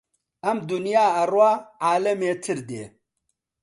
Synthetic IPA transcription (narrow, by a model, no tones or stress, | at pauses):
ʔɐmd̪unijaːaɾwaʕaːlɐmetʰɨɾdḛ